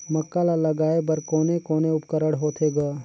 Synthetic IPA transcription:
mɐkːalalɐɡaːebɐɾkoːnekoːneʊpkəɾəɽɦoːt̪ʰeɡaː

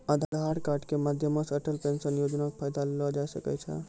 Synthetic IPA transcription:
ad̪ʱd̪ʱaɾkaɾɖkemad̪ʱjəməsəɾʈəlpẽnsənjod͡ʒnakpʰajd̪allɔd͡ʒasəkɛ̰t͡ʃʰɛ̰

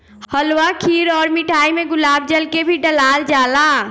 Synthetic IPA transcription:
həlwakʰiɾɔːɾmiʈʰaimeɡʊlaːb̚d͡ʒəlkebʱiɖəlald͡ʒaːla

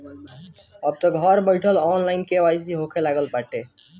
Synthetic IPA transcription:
əb̚t̪ɔɡʱɔɾbəɪʈʰəlɔːnlaɪnkeʋas̬iɦokʰelaɡəlpaʈe

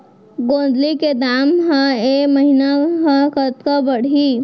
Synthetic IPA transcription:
ɡõːnd̪liked̪aːmɦə̃eməɦinaɦə̃kət̪kəbəɽ̤i

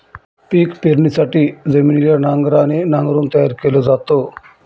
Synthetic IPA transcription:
piːkpeɾnisaʈizeminiljanaŋɡɾanenaŋɡɾuːnt̪ɐjaɾkelod͡zat̪o

